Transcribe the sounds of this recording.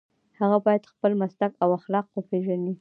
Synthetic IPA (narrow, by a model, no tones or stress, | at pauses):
haɣabɑjad̪xpəlmast̪akawaxlɑq̚wəpʰeʒani